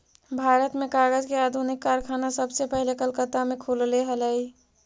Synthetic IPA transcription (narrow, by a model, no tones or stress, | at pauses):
bʱaːɾət̪mẽkaːɡəd͡ʒkeaːd̪ʱunɪkːaːɾkʰaːnasəbsepəɦilekəlkət̪amẽkʰulleɦələi